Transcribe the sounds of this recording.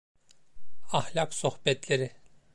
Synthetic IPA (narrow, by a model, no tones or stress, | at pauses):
ahlʲaksohbɛt̪lʲeɾi